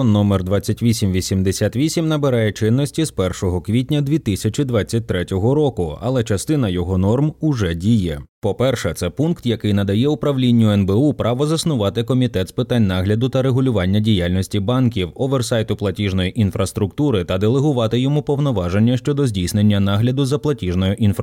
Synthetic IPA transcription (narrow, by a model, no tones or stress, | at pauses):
nːɔmɛrd̪ʋɑt͡sʲːɐtʲʋʲisʲimʋʲisʲimd̪esʲat̪ʋʲisʲimnɐbeɾɑjɛt͡ʃɪnːɔsʲtʲizpɛrʃɔɦɔkʋʲitʲnʲɐd̪ʲʋʲit̪ɪsʲɐt͡ʃid̪ʋɑt͡sʲːɐt̚ʲt̪ɾɛtʲɔɦɔɾɔkʊɐ̰lˠɛt͡ʃɐst̪ɪnɐjɔɦɔnɔrmʊʒɛdʲijɛpɔpɛrʃɛt̪sɛpunkt̪jɐkɪjn̪ɐd̪ɐjɛʊpɾɐʋlʲinʲːʊɛnbɛupɾʔɑʋɔzɐsnʊʋɑt̪ɪkɔmʲit̪ɛt̪spɪt̪anʲnɑɦlʲɐd̪ʊt̪ɐɾeɦʊlʲʊʋɑnʲːɐdʲijalʲnɔsʲtʲibɑnkʲiwɔʋɛrsɑjt̪ʊplˠɐtʲiʐnɔjiʔinfɾɐst̪ɾʊkt̪uɾɪt̪ɐd̪elˠeɦʊʋɑt̪ɪjɔmupɔwnɔʋɑʒenʲːɐʃt͡ʃɔd̪ɔzʲdʲijsnenʲːɐnɑɦlʲɐd̪ʊzɐplˠɐtʲiʒnɔjɔʔinf